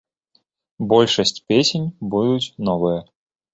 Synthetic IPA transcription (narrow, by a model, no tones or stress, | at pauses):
bolʲʂəsʲtʲpʲesʲɪnʲbud̪ʊt̪nɔvɨjə